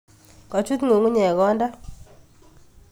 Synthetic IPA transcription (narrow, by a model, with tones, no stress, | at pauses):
kɔ˨t͡ʃu˦t̪ŋo˨ŋu˦ɲɛ˨ɡɔ˦nda˦